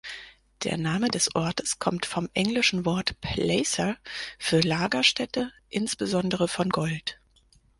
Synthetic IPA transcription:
d̥ḛːɐnaːmədɛsʔɔɐtəskʰɔmtfɔmʔɛŋlɪʃn̩vɔɐtpʰlɛɪsɐfyːɐlaːɡɐʃtʰɛtə | ʔɪnsb̥əzɔndəʁəfɔnɡɔlt

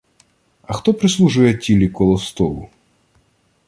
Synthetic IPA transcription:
ɐxt̪ɔpɾɪslˠuʒujɛtʲilʲikɔlˠɔst̪ɔlˠʊ̰

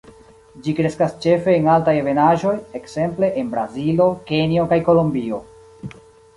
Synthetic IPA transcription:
d͡ʒikɾe̞skast͡ʃe̞fe̞ːŋaltajve̞naʒo̞jekse̞mple̞ʔenbɾazilo̞ke̞nio̞kajko̞lombio̞

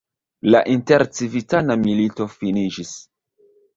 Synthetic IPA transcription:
laʔinteɾt͡sivitanamilito̞finid͡ʒis

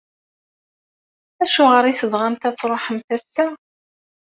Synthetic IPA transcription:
æʃʊʁəɾˤiθəðʁant̪æt͡sːɾˤoħəmθæsːæ

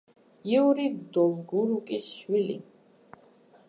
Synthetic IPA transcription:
iuɾid̪ɔlɡuɾukʼisʃwilḭ

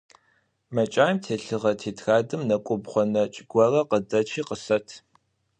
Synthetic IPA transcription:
mɐt͡ʃʼaːjmtʰeːɬɨʁɐtʰeːtʰxaːdɨmnɐkʷʼʊbχʷɔnɐt͡ʃʼɪɡʷɔrɐqədɐt͡ʃʰiːqəsɐtʰ

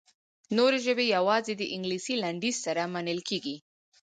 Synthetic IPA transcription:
noɾeʒəbejawɑzed̪əʔɪŋɡlisilaɳɖizsaɾamanəlkʰeɡi

